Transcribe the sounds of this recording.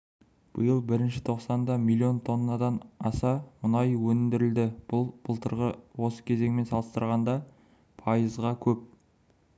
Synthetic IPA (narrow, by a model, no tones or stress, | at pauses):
b̥əjəlˠbɪɾɪnʃɪ̥t̪ʰo̞qsɑnd̪ɑmilʲˠːio̞nt̪ʰo̞nːɑd̪ɑnɑsɑmʊnɑjwɵnɪnd̪ɪɾɪld̪ɪb̥ʊlˠb̥ʊlˠt̪ʰəɾʁəwo̞sə̥kʲʰe̞ze̞ŋme̞nsɑlˠəst̪əɾʁɑnd̪ɑ | pʰɑjəzʁɑkʲʰɵp̚